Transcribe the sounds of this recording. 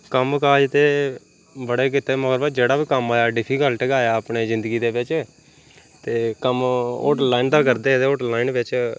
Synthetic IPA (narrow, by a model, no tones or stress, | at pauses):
kəmkaːd͡ʒt̪eː | bəɽeːk̬ɪt̪eːməɡəɾbaːd͡ʒeːɽaːbiːkəmaːjaːɖɪpʰiːkəlʈəɡaːjaːəpɳeːzɪ̃nd̪əɡiːd̪eːʋɪt͡ʃː | t̪eːkəmo̰ːʈlaːind̪aːkəɾd̪eːt̪eːoːʈlaːinʋɪt͡ʃ